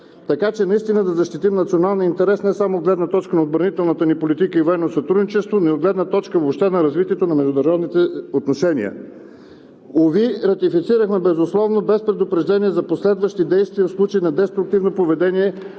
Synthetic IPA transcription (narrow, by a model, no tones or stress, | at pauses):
t̪ɐkat͡ʃɛnɐist̪inəd̪ɐzɐʃt̪it̪imnɐt̪sionalˠniint̪ɛɾɛsnɛsamod̪ɡlɛd̪nət̪ɔt͡ʃkənɐod̪bɾɐnit̪ɛlˠnət̪ənipolit̪ikəivoɛnːosɐt̪ɾud̪nit͡ʃɛst̪vonɛod̪ɡlɛd̪nət̪ɔt͡ʃkəvopʃt̪ɛnɐɾɐzvit̪iɛt̪onɐmɛʒd̪ʊnɐɾɔd̪nit̪ɛot̪noʃɛnḭə̰ | oviɾɐt̪ifit̪siɾəxmɛbɛzʊslˠɔvnobɛspɾɛd̪ʊpɾɛʒd̪ɛniɛzɐposlɛd̪vəʃt̪id̪ɛjst̪viəfslˠut͡ʃəinɐd̪ɛst̪ɾʊk̚t̪ivnopovɛd̪ɛnʲiɛ